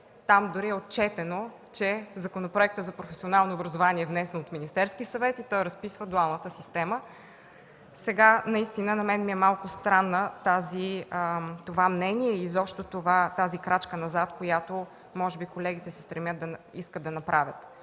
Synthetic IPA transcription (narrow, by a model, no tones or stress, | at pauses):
t̪amd̪ʊɾiɛot̪̚t͡ʃɛt̪ɛno | t͡ʃɛzɐkonopɾoɛk̚t̪ət̪zɐpɾofɛsionalˠnoːbɾɐzovaniɛːvnɛsɛnot̪minist̪ɛɾskisɐvɛt̪it̪ɔjɾɐspisvəd̪ualˠnət̪əsist̪ɛmə | sɛɡanɐist̪inənɐmɛnmiɛmalˠkʊst̪ɾanːət̪azi | t̪ovamnɛniɛizɔpʃt̪ot̪ovat̪azikɾat͡ʃkənɐzat̪kojat̪o | mɔʒɛbikolɛɡ̟it̪ɛsɛ̥st̪ɾɛmʲjət̪d̪ɐiskəd̪ɐnɐpɾʔavʲət̪